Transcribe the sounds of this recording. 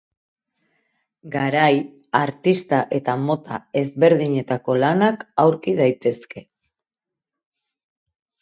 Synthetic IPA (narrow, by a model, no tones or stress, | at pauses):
ɡaɾaj | aɾt̪ist̪aʔe̞t̪amo̞t̪a̰e̞zβe̞ɾðiɲe̞t̪ako̞lanakawɾkiðajt̪e̞ske̞